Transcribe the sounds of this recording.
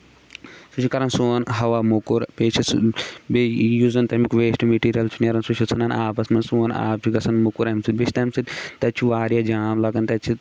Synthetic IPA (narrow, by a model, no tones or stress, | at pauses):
sut͡ʃʰikɐɾɐnsoːnɦɐʋaːmukuɾpeːt͡ʃʰisbejuzɐnt̪ɐmikʋeːsʈimeʈiːɾijɐlt͡ʃʰuneɾɐnsut͡ʃʰit͡sʰɐnɐnaːpɐsmɐnsoːna̰ːp̚t͡ʃʰuɡɐsɐnmukuɾɐmsibet͡ʃʰt̪ɐmsit̪ʲt̪ɐt͡ʃʰuʋaːɾjad͡ʒaːmlɐkɐnt̪ɐt͡ʃʰi